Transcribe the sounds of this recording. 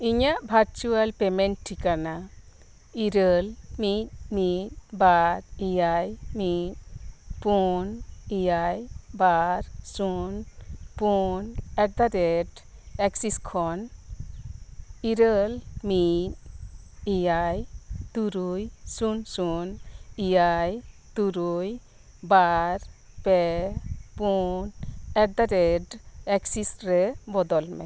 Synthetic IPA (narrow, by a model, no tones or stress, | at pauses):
iɲaʔbʱaɾt͡ʃualpemenʈʈʰːikana | iɾəlmit̪̚mit̪̚baɾijajmit̪̚punijajbaɾsunpunɛʈ̚d̪aɾeʈeksiskʰɔn | iɾəlmit | ijajt̪uɾujsunsunijajt̪uɾuj | baɾ | pɛ | punɛʈ̚d̪aɾeɖɛksisɾɛbɔd̪ɔlmɛ̰